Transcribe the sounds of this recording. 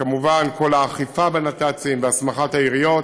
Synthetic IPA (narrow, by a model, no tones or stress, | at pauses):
kamuvankʰo̞laːχifabenat̪at͡simveasmaχat̪haiʁijo̞t